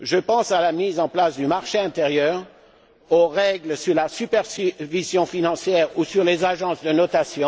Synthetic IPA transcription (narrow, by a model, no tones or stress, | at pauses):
ʒəpɑ̃salamizɑ̃plasd̪ymaʁʃeɛ̃t̪eʁjœːʁ | oʁɛɡləsyʁlasypɛʁsivizjɔ̃finɑ̃sjɛːʁusyʁlezaʒɑ̃sd̪ənɔt̪asjɔ̃